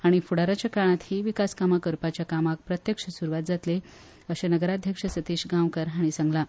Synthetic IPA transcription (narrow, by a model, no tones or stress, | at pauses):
aɽ̃ifuɽaɾat͡ɕjakaɭ̃at̪hiʋikaskamakəɾpat͡ɕjakamak̚pɾət̪jəkʂəsuɾuʋat̪̚d͡zat̪le | əɕanəɡəɾad̪ʱjəkʂəsət̪iɕɡawkəɾɦaɽ̃isəŋɡla